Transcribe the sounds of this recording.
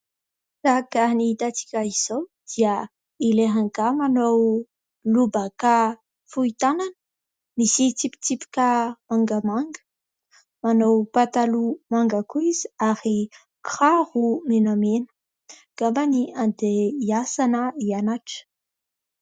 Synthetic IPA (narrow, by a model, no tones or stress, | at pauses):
sakanit̪at͡si̥kʲaiz̥owd̪̥iə | ileɦaŋɡamanow | lubəka | fuit̪ananə̥ | misit̪ipi̥t͡s̪ipi̥kʲəmaŋɡəmaŋɡə̥ | manowpat̪alumaŋɡəkuizaɾi | krahumenamenə̥ | ɡ̥ambaniand̪eiasanəianaʈ͡ʂə̥